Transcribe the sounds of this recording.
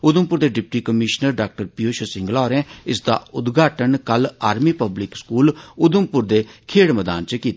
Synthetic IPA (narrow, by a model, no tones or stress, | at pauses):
ʊd̪əmpʊɾd̪eːɖɪp̚ʈiːkəmɪʃnəɾɖaːk̚ʈəɾpioːʃəsɪ̃ŋɡlaːɾɛ̃ːɪsd̪a̰ːʊd̪ɡʱaːʈənkəlaːɾmiːpəblɪkskuːlʊd̪əmpʊɾd̪eːkʰeːɽməd̪a̰ːnt͡ʃəkiːt̪ː